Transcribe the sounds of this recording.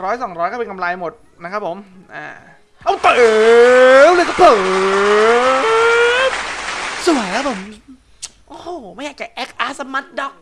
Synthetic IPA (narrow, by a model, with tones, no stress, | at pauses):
ɾɔː˦˥jsɔ˩˦ŋɾɔː˦˥jkɔː˥˩pe˧ŋka˧mlaː˧jmo˨˩t̪̚ | na˦˥kʰa˦˥pʰːo˩˦m | ʔa̰ː˨˩ | ʔa˧˩t̪a˧˨ʔe˨˩ | lːjkɔː˥˩pʰɤː˨˩ | su˨˩˦əjkʰa˦˥pʰo˨˩˦m | ʔoː˨˩ma˥˩jaː˨˩k̚t͡ɕa˨˩ʔɛ˦˥k̚ʔaː˧˥sa˧mːa˦˥t̪̚dɔ˦˩k̚